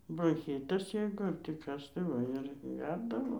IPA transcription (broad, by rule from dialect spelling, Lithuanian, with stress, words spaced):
broːŋʲˈxʲiːtɐs ˈjɛɪɡʊ ɐr tʲiː ˈkɐs tɐɪ ˈʋɐ ɪr ˈɡʲɛrdɐʋoː